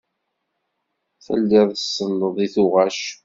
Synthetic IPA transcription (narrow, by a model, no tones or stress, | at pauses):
θə̰lːɪðˤəsːənːəðˤiθʊʁæʃ